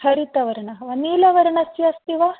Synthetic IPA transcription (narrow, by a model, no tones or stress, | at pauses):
hɐɾit̪ɐʋɐɾɐɳɐʋɐniːlɐʋɐɾɐɳɐsjɐst̪iʋɐ